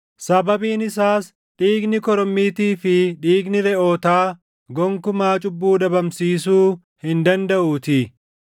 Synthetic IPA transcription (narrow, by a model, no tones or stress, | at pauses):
sɐbɐbiːnɪsaːs | ᶑiːɡnɪkɔɾɔmːiːt̪iːfɪᶑiːɡnɪɾɛʔo̞ːt̪aː | ɡɔŋkʊmaːt͡ʃʼʊbːuːᶑɐbɐmsiːsuː | hɪnd̪ɐnd̪ɐʔuːt̪ɪ